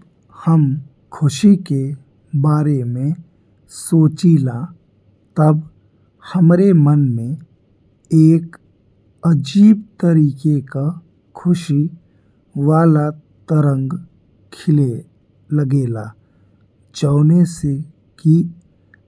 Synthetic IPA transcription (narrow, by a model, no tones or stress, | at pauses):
həm | kʰʊʃike | baːɾemẽ | soːt͡ʃila | t̪ɐb | həmɾemənmẽ | eːk | əd͡ʒiːbt̪əɾiːkeka | kʰʊʃi | ʋaːlat̪əɾə̃ŋɡ | kʰɪle | ləɡeːlaː | t͡ʃəːnese | ki